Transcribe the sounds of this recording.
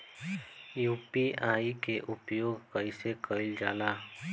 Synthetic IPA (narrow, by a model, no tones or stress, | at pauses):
juːpiaːikeʔʊpjoːɡkəɪsekəɪld͡ʒaːlaː